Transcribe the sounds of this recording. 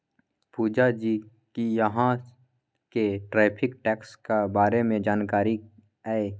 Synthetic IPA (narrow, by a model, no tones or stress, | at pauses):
puːd͡ʒad͡ʒiː | kijəɦã | keʈɾɛːpʰɪkʈɛːkskebaːɾemẽd͡ʒaːnkaːɾi | ɛe